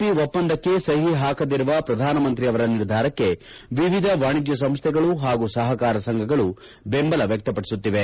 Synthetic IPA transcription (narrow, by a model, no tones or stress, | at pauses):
piʋopːɐnd̪ɐkːe̞sɐɦiɦaːkɐd̪iɾuʋɐpɾɐd̪ʱaːnɐmɐnt̪ɾiɐʋɐɾɐniɾd̪ʱaːɾɐkːe̞ | ʋiʋid̪ʱɐʋaːɳid͡ʒjɐs̬ɐmst̪ʰɛɡɐɭuɦaːɡusɐɦɐkaːɾɐsɐŋɡʱɐɡɐɭu | bembɐlɐʋjɐk̚t̪ɐpɐɽisut̪ːiʋe